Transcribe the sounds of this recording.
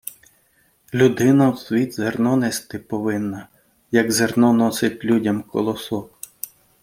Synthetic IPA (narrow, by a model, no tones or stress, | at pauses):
lʲud̪ɪnɐwsʋʲid̪zernɔnest̪ɪpɔʋɪnːɐ | jɐɡzernɔnɔsɪtʲlʲudʲɐmkʰɔ̰lˠɔsɔw